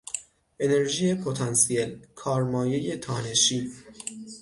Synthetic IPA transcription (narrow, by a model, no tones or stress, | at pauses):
ʔe̞ne̞ɾʒije̞pʰot̪ʰɒnsielkʰɒːɾmɒːje̞je̞t̪ʰɒːne̞ʃiː